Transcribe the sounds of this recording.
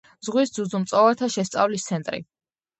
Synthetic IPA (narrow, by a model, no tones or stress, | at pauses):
zʁwisd̪zud̪zumt̪sʼɔvat̪ʰaʃɛst̪sʼa̰vlist̪sʰɛnt̪ʼɾḭ